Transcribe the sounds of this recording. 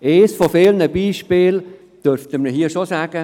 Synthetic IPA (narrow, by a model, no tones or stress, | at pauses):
eːsfofeːlnəbiːʃpeːl | d̥øɾftəməɦiːəʃosaːɡ̥ə